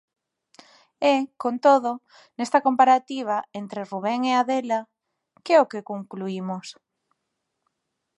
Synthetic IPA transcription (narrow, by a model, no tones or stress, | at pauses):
ɛkont̪oðo | nest̪ɐkompaɾat̪iβ̞aent̪ɾeruβ̞ɛŋeaðɛla | kɛokekoŋkluimos